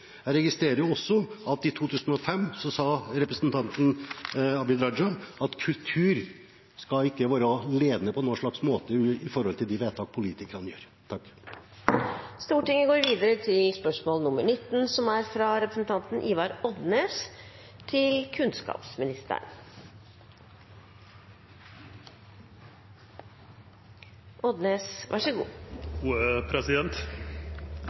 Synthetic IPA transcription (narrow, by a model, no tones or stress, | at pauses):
æɪɾɛɡɪst̪ɾeːɾəɾjʊɔsːɔɑt̪ɪt̪ʰuːt̪ʰʉːsən̩ɔfɛmːsɔsɑːɾɛpɾəsnt̪ʰɑnt̪n̩ɑbɪd̪ɾɑd͡ʒɑnɑt̪kʰʉlt̪ʰʉːɾ | skɑɪkːəʋɑːɾɑleːd̪nəpʰɔɛnoːʂɭɑksmoːt̪əɪfɔɾhɔlt̪ʰɪld̪ɪʋeːt̪ʰɑːk̚pʰʊliːt̪ɪkəɾhɑnjøːɾ | t̪ʰɑkː | st̪uːʈɪŋːəɡoːɾʋiːd̪əɾət̪ʰɪlspœʂmoːlnʊməɳɪt̪ːn̩sɔmæɾfɾɑɾɛpɾəsnt̪ʰɑnt̪n̩ʔiːʋɑɾɔd̪neːs | t̪ʰɪlkʰʉnskɑ̰ːpsmɪnɪst̪ə̰ɳ | ʔɔd̪neːsʔæ̰ʂəɡṵːuːəpʰɾɛsɪd̪ɛnt̪